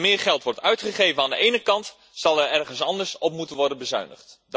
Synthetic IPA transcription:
mɪːɹχɛlˠtʋɔɹtœɥtχəχejvənaːndə̰ʔejnəkɑnt | sɑlˠɛɹɛrχənsɑndəɹsɔpmutənʋɔɹdənbəzœ̰ɥnə̰χtd

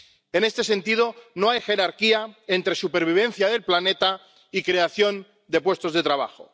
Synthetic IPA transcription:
ene̞st̪e̞sẽ̞nt̪ið̞onoajxe̞ɾaɾkiaent̪ɾe̞supeɾβ̞iβ̞ẽ̞n̟θjaðe̞lplanet̪a | ikɾe̞aθjo̞n | d̪e̞pwe̞st̪o̞zðe̞t̪ɾaβ̞a̰xo̰

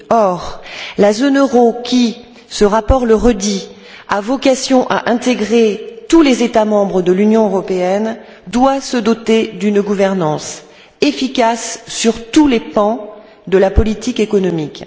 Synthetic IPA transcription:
ɔʁlazonøʁokʲi | səʁapɔʁləʁəd̪i | avɔkasjɔ̃ʔa̰ʔɛ̃t̪eɡʁet̪ulezet̪amɑ̃bʁəd̪əlynjɔ̃øʁɔpeɛn | d̪wasəd̪ɔt̪ed̪ynɡuvɛʁnɑ̃s | efikasːyʁt̪ulepɑ̃ | d̪əlapɔlit̪ikekɔnɔmik

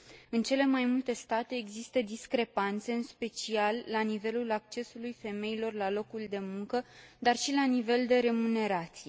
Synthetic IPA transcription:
ɨnt͡ʃe̞le̞majmult̪e̞st̪at̪e̞ːɡzist̪əd̪iskɾe̞pant̪se̞ɨnspe̞t͡ʃialːanive̞lulak̚t͡ʃe̞sulujfe̞me̞ilo̞rlalo̞kuld̪e̞muŋkəd̪arʃilanive̞ld̪e̞ɾe̞mune̞ɾat̪sije

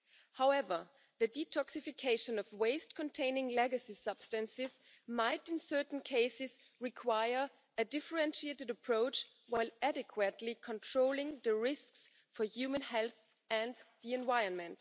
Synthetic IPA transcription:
haʊɛvə˞ | ðɨditʰɔksɪfɨkʰeɪʃə̃nʌvweɪst̚kʰɔ̃ntʰẽɪ̃nɪ̃ŋlɛɡɨsisʌb̥stɨ̃nsɪz | maɪɾɪ̃nsɜ˞ʔn̩kʰeɪsɪz | ɹɪkʰwaɪə˞ | ɨdɪfə˞ɛ̃nʃieɪɾɨdəpʰɹ̥oʊt͡ʃ | waɪlæɾɨkʰwɨtʰˡlikʰɔ̃ntʰɹ̥oʊlˠɪ̃ŋðɨɹɪsks | fə˞jʉmə̃nhɛlˠθ | ɨ̃nðiɛ̃nvaɪə̃˞nmɨ̃nt

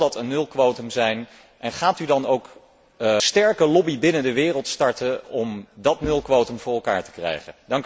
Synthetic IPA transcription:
dɑtənːɵlˠkʋowtəmzɛjn | ʔɛnχaːtydɑnowk | stɛɹkəlɔbibɪnəndəʋɪːrəlˠtstɑɹtəɔmdɑtnɵlˠkʋowtəmvʊːɹɛlˠka̰ːɹtə̥krɛ̰jχəndɑŋk

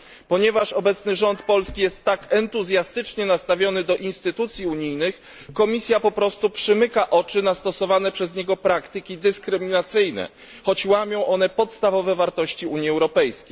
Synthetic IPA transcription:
pɔɲɛvaʂɔbɛt̪snɘʐɔnt̪pɔlskʲijɛst̪ːakɛnt̪uzʲjast̪ɘt͡ʂɲɛnast̪avʲjɔnɘd̪ɔʔinst̪ɘt̪ut̪sʲjiuɲijnɘx | kɔmʲisʲjapɔpɾɔst̪upʂɘmɘkaʔɔt͡ʂɘnast̪ɔsɔvanɛpʂɛzɲɛɡɔpɾakt̪ɘkʲid̪ɘskɾɘmʲinat̪sɘjnɛ̰ | xɔt͡ɕwamʲjɔ̃w̃ʔɔnɛpɔt̪st̪avɔvɛvaɾt̪ɔɕt͡ɕiuɲjiɛwɾɔpɛjskʲejj

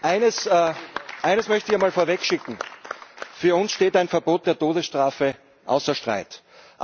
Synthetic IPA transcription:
ʔaɪnəs | ʔaɪnəsmœçtəiɐmaːlfoːɐvɛkʃɪkŋ̩ | fyːɐʊnsʃteːtaɪnfɛɐboːt̚d̥eːɐtʰoːdəsʃtʁ̥aːfə | ʔa̰ʊsɐʃtʁ̥a̰ɪt | ʔ

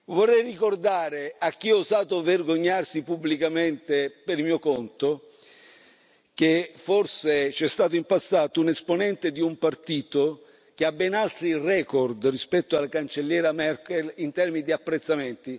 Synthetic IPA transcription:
vorːɛjrikord̪aːɾeakːiɔzaːt̪overɡoɲːarsipubːlikament̪epeɾmiːokont̪o | k̟eforset͡ʃɛst̪aːt̪̬oimpasːaːt̪ounesponɛnt̪ed̪iumpart̪iːt̪o | k̟eabːɛnalt̪ɾirɛːkɔrd̪rispɛt̪ːoalːakant͡ʃelːjɛːɾamɛrkelint̪ɛrminid̪iapːɾet̪sːament̪i

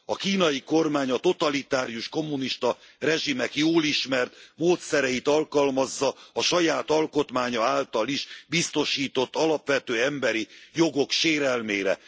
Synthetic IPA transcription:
ɒkiːnɒjiko̞rmaːɲɒt̪o̞t̪ɒlit̪aːɾijuʃko̞mːuniʃt̪ɒrɛʒimɛkjoːliʃmɛrt̪moːt̪sɛɾɛjit̪ɒlkɒlmɒzːɒɒʃɒjaːt̪ɒlko̞t̪maːɲɒaːlt̪ɒliʒbist̪o̞ʃiːt̪o̞t̪ːɒlɒpʋɛt̪øːɛmbɛɾijo̞ɡo̞kʃeːɾɛlmeːɾɛ̰

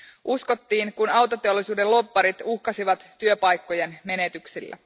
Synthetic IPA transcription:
ʔusko̞t̪ːiːŋkunɑwt̪ot̪e̞o̞lːˑisuːdelo̞pːɑɾit̪uhkɑsiʋɑt̪ːyøpɑjkːo̞jenme̞ne̞t̪yksilːæ̰

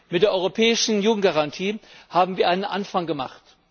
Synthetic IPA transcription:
mɪt̚d̥eːɐʔɔʏʁopʰɛːɪʃn̩juːɡŋ̩t̚ɡ̥aʁantʰiːhaːbm̩viːɐʔaɪnənʔa̰nfaŋɡəma̰χt

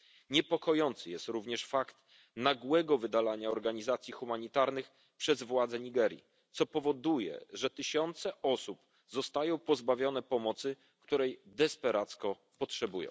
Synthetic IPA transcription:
ɲɛpɔkɔjɔnt̪sɘjɛst̪ɾuvɲɛʂfakt̪ | naɡwɛɡɔvɘd̪alaɲaɔɾɡaɲizat̪sʲjixumaɲit̪aɾnɘx | pʂɛzvwad̪zɛɲiɡɛɾjḭ | t̪sɔpɔvɔd̪ujɛ̰ʐɛt̪ɘɕɔnt̪sɛʔɔsup | zɔst̪ajɔ̃w̃pɔzbavʲjɔnɛpɔmɔt̪sɘ | kt̪uɾɛjd̪ɛspɛɾat̪skɔ | pɔtʂɛbujɔ̰̃w̃

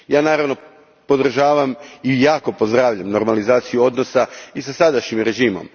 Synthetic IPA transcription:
jaːnaːɾaʋno̞ | po̞d̪r̩ʒaːʋamijaːko̞po̞zd̪ɾaːʋʎamno̞ɾmalizaːt̪sijuo̞d̪no̞saisasad̪aʃɲimɾe̞ʒiːmo̰m

